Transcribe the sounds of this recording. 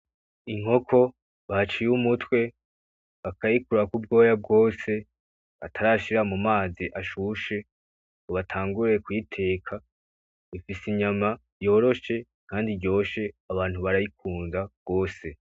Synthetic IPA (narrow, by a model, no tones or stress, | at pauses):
iŋ̥ho̞kʰo̞ | βat͡ʃijumutwe̞ | βakajikuɾakub̚ɡo̞ːjab̚ɡo̞ːse̞ | atʰaɾaʃiɾamumaːziʔaʃuʃe̞ | uβatʰaːŋɡuɾe̞kwitʰe̞ːkʰa | ifisiɲama | jo̞ːɾo̞ʃe̞ | kʰaːndiɟo̞ːʃe̞aβaːn̥huβaɾajikʰuːnzaɡ̥o̞ːse̞